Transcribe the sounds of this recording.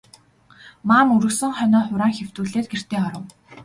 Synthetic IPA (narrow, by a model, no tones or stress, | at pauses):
maːmuɾɵ̆ksɘ̆ŋχœnɔːχʊɾaːŋxew̥t̪uːɮeːt̪̚ɡer̥t̪eːɔɾə̆w